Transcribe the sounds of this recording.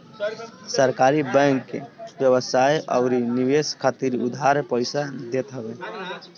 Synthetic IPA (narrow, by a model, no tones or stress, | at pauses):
səɾkaːɾibɛ̃ŋkːebjəβəsajʔɔ̰ʊɾiniʋeskʰat̪iɾʊd̪ʱaɾpəɪsad̪et̪ɦəbe